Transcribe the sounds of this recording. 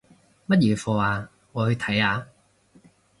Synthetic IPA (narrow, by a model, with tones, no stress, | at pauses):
mɐ˥t̚jiː˨˩fɔː˨˧aː˨˧ | ŋɔː˨˧hɵ˧t̪ʰɐ˨˥jaː˨˧